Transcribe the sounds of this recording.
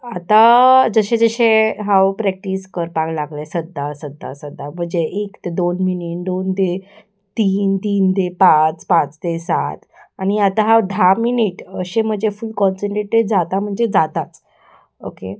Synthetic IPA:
at̪ad͡zəɕẽd͡zəɕeɦawpɾɛk̚ʈiskəɾpaɡlaɡlesəd̪ʱːasəd̪ʱːa̰səd̪ʱːam̤əɳd͡zeʔekt̪ed̪onminiʈd̪ond̪e | t̪iːnt̪iːnd̪epat͡spat͡st̪esa̰t̪añiat̪aɦawd̪ʱaminiʈəɕẽm̤əd͡zefulkɔnsə̃ɳʈɾeʈed͡zat̪am̤əɳd͡zed͡zat̪at͡s | okḛ

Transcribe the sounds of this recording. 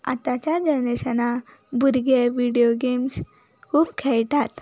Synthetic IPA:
a̰t̪at͡ɕjad͡ʑəneɕəna | buɾɡeʋiɽijoɡems | kʰuːpkʰɛɭʈat̪

